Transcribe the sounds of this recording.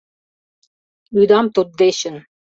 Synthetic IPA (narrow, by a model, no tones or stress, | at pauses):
yd̪ɑmt̪ot̪̚d̪eɕə̆n